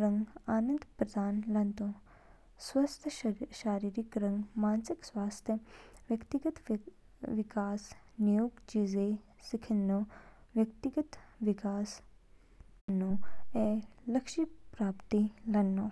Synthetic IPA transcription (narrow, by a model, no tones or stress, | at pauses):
ɾɐŋɡaːnə̃nd̪pɾɐd̪aːnlɐnt̪õ | swɐst̪ʰʃaːɾiːɾikɾɐ̃ŋɡmaːnsɪkswaːst̪ʰjəʋjɐkt̪iɡət̪ | ʋɪkaːs | nijuːɡt͡ʃiːze | sɪkʰɪnːoːʋjɐkt̪iɡət̪ʋɪkaːs | nːoːeːlɐkʃipɾaːpt̪ilɐnːoː